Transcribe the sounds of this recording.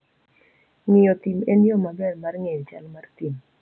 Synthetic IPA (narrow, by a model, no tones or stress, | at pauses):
ŋɪjɔt̪imenjɔmabɛrmarŋejɔt͡ʃa̰lmart̪im